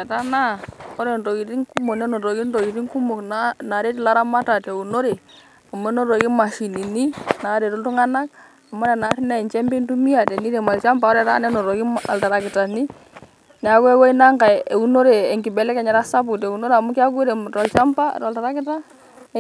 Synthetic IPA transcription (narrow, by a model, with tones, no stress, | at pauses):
ɛ˨ta˦na˦ɔ˦ɾɛ˨nto˨ki˨ti˦ŋku˦mo˨knɛ˦nɔ˨to˨ki˦nto˨ki˨ti˦ŋku˦mo˨knana˨ɾe˦t̬i˦la˦ɾa˦ma˦ta˨te˨u˨no˦ɾe˨ | a˨m˦ɛ˦nɔ˦to˨ki˦ma˨ʃi˨ni˨ni˦na˨ɾe˨tu˦ntu˦ŋa˦na˦k | a˨mo˦nɛ˨na˨ɾnɛ˦˨t͡ʃɛ˦mbi˦ntu˦mi˦a˨tɛ˨ni˦ɾe˨ma˨lt͡ʃa˦mpa˨ɔ˦ɾɛ˨ta̰˦nɛ˦nɔ˨ɾɔ˨ki˦a̰˨lta˨ɾa˨kɪ˨ta˨ni˦ | n˨a˨˦kɛ˦kɛ˦i˦na˦ŋɡa˨e˨u˦no˦ɾe˨ɛ˨ŋkɪ˨bɛ˨lɛ˦kɛ˨ɲɛ˨ɾa˦sa˦p̬u˨te˨u˨no˦ɾea˨mu˦kɪ˦a˦ku˦ɾɛ˨mta˨lt͡ʃa˦mpa̰˦˨ta˨lta˨ɾa˦kɪ˦ta˦